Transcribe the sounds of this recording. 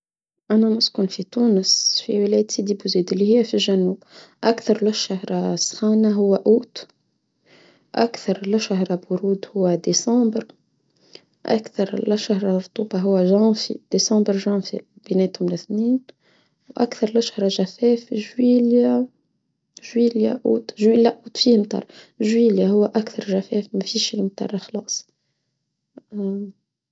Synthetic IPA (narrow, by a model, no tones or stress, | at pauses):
ʔænæmʊskʊnfit̪uːnəsfḭwɪlɛjt̪sid̪ibuziːd̪ɪlːihɪjːæfilʒænuːbʔækθɑɾˤlɪʃahɾˤɑsˤxɑːnaɦʊwːæʔuːt̪ | ʔæ̰kθɑɾˤlɪʃaɦɾˤɑbʊɾuːd̪hʊwːæd̪esɑ̃ːbɾ | ʔæ̰kθɑɾˤlɪʃahɾˤɑɾˤt̪ˤuːbɑɦʊwːæʒɑ̃ːfḭd̪̥esɑ̃ːbəɾʒɑ̃ːfḭb̥inɛːt̪hʊmlɪθniːn | wʔa̰kθɑɾˤlɪʃhɾˤɑʒæfɛːfʒwiːlja | ʒwiːlja̰ʔṵːd̪ʒwiːlːaʔuːt̪fimt̪ˤɑ̰ːɾˤ | ʒwiːljaɦʊwːæʔækθɑɾˤʒæfɛːfmæfiːʃlmt̪ˤɑ̰ːɾˤxɑlɑːsˤ